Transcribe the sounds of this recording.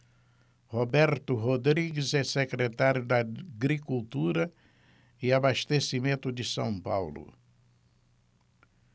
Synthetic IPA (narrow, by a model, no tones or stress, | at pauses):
hobɛɾt̪ʊɦod̪ɾiɡɪzɛsekɾet̪aɾjʊd̪aɡɾikult̪uɾɐ | ɪabaʃt̪esimẽnt̪ʊd͡ʒ̪ɪsɐ̰̃w̃pa̰wlʊ̰